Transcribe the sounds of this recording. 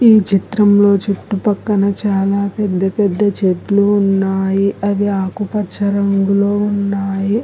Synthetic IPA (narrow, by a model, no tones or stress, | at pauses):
iːt͡ʃit̪ɾɐmlo̞ːt͡ʃiʈːupɐkːɐnɐt͡ʃaːlaːpɛd̪ːɐpɛd̪ːɐt͡ʃedluːnːaːjiɐʋiaːkupɐt͡ʃʰːɐɾɐŋɡuloːunːaːji